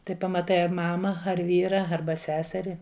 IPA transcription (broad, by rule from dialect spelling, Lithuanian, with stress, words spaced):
ˈtɐɪ pɐmɐˈtɐɪ ɐr ˈmɑːmɐ ɐr ˈʋʲiːrɐ ˈɐrbɐ ˈsʲæːsʲɛrʲɪ